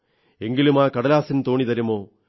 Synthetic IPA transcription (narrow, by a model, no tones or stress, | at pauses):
eŋɡilumaːkɐɽɐlaːsint̪oːɳit̪ɐɾɐmoː